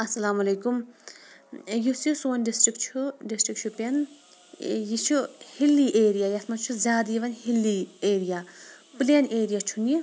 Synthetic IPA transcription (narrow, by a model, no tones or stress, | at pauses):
ɐsɐlaːmɐleːkum | jusjusoːnɖisʈɾikt͡ʃʰuɖisʈɾik̚t͡ʃʰupɐn | jit͡ʃʰuhilːiʔeːɾijaːjɐsmɐnt͡ʃʰuzʲaːd̪iʋɐnhilːieːɾijaː | pleːneːɾijat͡ʃʰuni